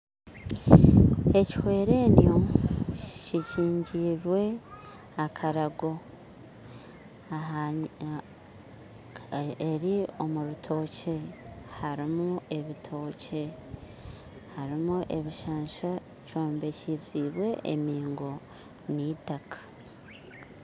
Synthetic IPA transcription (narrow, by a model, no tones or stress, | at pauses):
e̞ci̥hwe̞ːɾe̞njo̞ | ciciːɲɟiːɾwe̞ | akʰaɾaɡo̞ | a | eɾio̞muɾutʰo̞ːce̞haɾimue̞βitʰo̞ːce̞ | haɾimuʔe̞βiʃaːʃa | co̞ːmbe̞ciziβwe̞ʔḛmiːŋɡo̞ | nitakʰḁ